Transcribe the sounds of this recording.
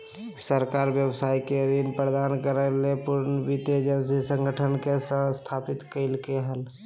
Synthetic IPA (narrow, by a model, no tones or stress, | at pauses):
səɾkaɾbjəbsaikeɾinpɾəd̪ankəɾəlepuɾnəbit̪ed͡ʒənsisə̃ŋɡʱəʈʰənkesə̃st̪ʰapit̪kəɪlkeɦəl